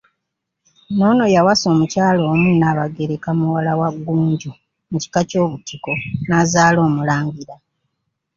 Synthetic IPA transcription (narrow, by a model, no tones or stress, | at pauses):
no̞ːno̞jawaso̞ːmucaːlo̞ːmunaːβaɡeɾekamuwalawaɡːuːɲɟu | muci̥kaco̞ːβutiko̞nazaːlo̞ːmulaːɲɡiɾa